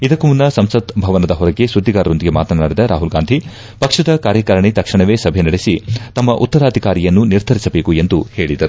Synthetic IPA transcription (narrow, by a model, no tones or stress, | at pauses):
id̪ɐkːumunːɐsɐmsɐd̪bʱɐʋɐnɐd̪ɐɦɔɾɐɡesud̪ːiɡaːɾɐɾo̞nd̪iɡe̞maːt̪ɐnaːɽid̪ɐɾa̰ːɦulɡaːnd̪ʱi | pɐkʂɐd̪ɐkaːɾjɐkɐɾɐɳit̪ɐkʂɐɳɐʋeːsɐbʱenɐɽesit̪ɐmːɐʔṵt̪ːɐɾaːd̪ʱikaːɾijɐnːuniɾd̪ʱɐɾisɐbe̞ːkue̞nd̪uhe̞ːɭid̪ɐɾu